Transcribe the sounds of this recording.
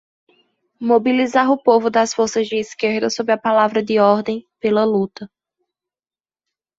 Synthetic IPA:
mobilizaɾʊpovʊd̪ɐsfoɾsɐzd͡ʒɪːskeɾd̪ɐsobɾɪɐpalavɾɐd̪ɪɔɾd̪ẽj̃pelɐlut̪ɐ

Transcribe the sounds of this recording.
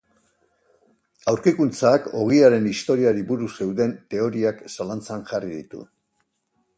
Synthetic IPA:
awɾkikunt͡sako̞̰ɣ̞iaɾe̞nist̪o̞ɾiaɾiβuɾuse̞wðe̞nt̪e̞o̞ɾiaksalant͡sanʝariðit̪ṵ

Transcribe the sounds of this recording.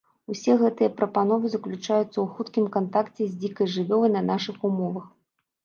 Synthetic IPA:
usʲɛɣɛt̪ɨjɐpɾɐpanɔvɨzɐklʲut͡ʂajut̪sːɐwxut̪kʲimkant̪akt͡sʲɛzʲd͡zʲikɐjʐɨvʲɔlˠɨnɐnaʂɨxumɔvɐx

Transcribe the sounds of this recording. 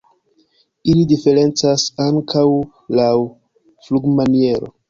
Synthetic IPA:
ilidife̞ɾe̞nt͡sasaŋkʰaw | law | fluɡmanie̞ɾo̞̰

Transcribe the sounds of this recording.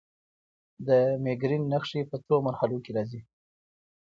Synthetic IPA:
d̪əmeɡɾinːaxʂipət̪omaɾhalokeɾɑzi

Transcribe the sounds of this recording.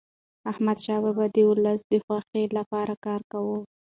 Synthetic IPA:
ahmad̪ʃɑbabad̪əʊlasd̪əxwaxelapɑɾakɑɾkawə

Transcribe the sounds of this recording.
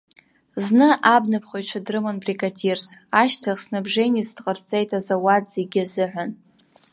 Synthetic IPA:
znɨʔabnɨpʰχʷojʈ͡ʂʷʰadrɨmanbrikʼatʲʰirzaʃtʰaχsnabʐejnizdqʼərt͡sʼejtʰʼazawadzeɡʲɪzɨħʷan

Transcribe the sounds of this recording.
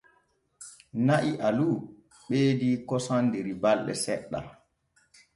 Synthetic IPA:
naʔiʔalu | ɓeːdikɔsandeɾibalɗɛ̰sɛ̰ɗːa̰

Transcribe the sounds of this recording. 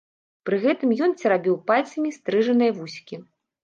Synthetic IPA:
pɾɨɣɛt̪ɨmjɔnt͡sʲɛɾabʲiwpalʲt̪sɐmʲist̪ɾɨʐɐnɨjɐvusʲkʲi

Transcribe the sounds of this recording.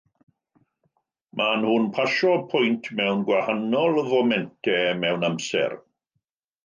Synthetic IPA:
mʔanhʊnpʰaʃɔpʰʊjntʰmɛwnɡwahanɔlˠvɔmɛntʰɛmɛwnamsɛ̰r

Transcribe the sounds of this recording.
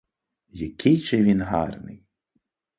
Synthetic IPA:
jɐkʲʰɪjt͡ʃɪʋʲinɦɑ̰rnɪ̰j

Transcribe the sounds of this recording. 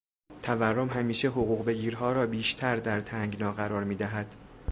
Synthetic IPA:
t̪ʰæværːomɦæmiːʃeɦoɣuːɣbe̞ɡiːɾɦɒːɾɒːbiːʃt̪ʰæɾd̪æɾt̪ʰæŋɡnɒːɣæɾɒːɾmiːd̪æɦæd̪̥

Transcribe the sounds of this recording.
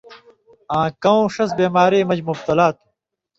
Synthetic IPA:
ãːkɐwõːʂɐs̬beːmaːɾeːmɐd͡ʑmub̚t̪ɐlaːt̪u̥

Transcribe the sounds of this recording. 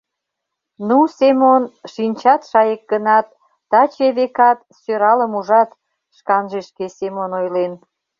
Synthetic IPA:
nusemonʃinʲt͡ɕɑt̪ʃɑjek̚ɡənɑt̪ː | ɑt͡ɕeβekɑt̪ | søɾɑləmuʒɑt̪ | ʃkɑnʒeʃkesemonojlen

